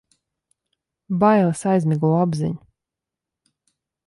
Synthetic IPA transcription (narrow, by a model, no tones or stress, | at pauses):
bajlˠɨsajzmʲiɡuɔabzḭɲu